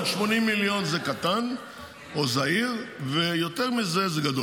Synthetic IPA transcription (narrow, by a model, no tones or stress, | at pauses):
ʃmo̞nimːiljo̞nzekat̪an | ozaiʁvejo̞t̪eʁmizezeɡado